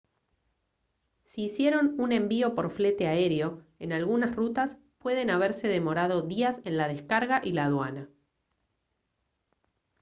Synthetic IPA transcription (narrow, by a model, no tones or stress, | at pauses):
siːsje̞ɾo̞nune̞mbio̞po̞ɾfle̞t̪eae̞ɾjo̞enalɣunasrut̪as | pwe̞ð̞e̞naβ̞e̞ɾse̞ðe̞mo̞ɾað̞o̞ðiase̞nlað̞e̞skaɾɣaʔilaːðwa̰na